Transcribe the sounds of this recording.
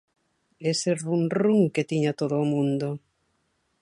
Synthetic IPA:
eseɾβunrruŋket̪iɲat̪oðoːmũnd̪o

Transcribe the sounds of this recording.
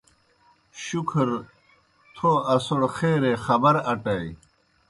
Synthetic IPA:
ɕukʰɾ | t̪ʰoːɐsoɽxeːɾeːxɐbɐɾɐʈɐj

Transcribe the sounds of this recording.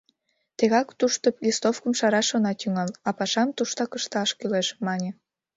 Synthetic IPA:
t̪eɣɑkt̪uʃt̪oplʲist̪ofkəmʃɑɾɑʃonɑt̪yŋɑlɑpɑʃɑmt̪uʃt̪ɑkəʃt̪ɑɑʃkyleʃmɑnʲe

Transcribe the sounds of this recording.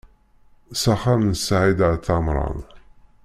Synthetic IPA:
saχamnəsʕid̪ʕθɑmɾˤɑ̰n

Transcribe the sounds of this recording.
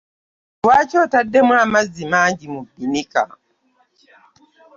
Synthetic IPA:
twacoːtadːemulamazimaːɲɟimubːinika̰

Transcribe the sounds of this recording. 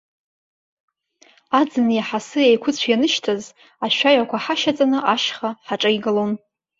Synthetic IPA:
ad͡zɨnjaħasɨajkʷʰʊt͡ɕʷʰjanɨʃtʰaz | aʃʷᶣaɥakʷʰaħaʃat͡sʼanɨʔaʃχaħaʈ͡ʂʼajɡɨlon

